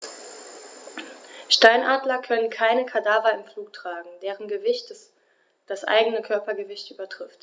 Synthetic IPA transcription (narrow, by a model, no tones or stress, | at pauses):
ʃtaɪnʔaːdlɐkʰœnənkʰaɪnəkʰadaːvɐɪmfluːktʁ̥aːɡŋ̩deːʁənɡəvɪçt | d̥asʔa̰ɪɡənəkʰœɐpɐɡəvɪçtʔyːbɐtʁ̥ɪft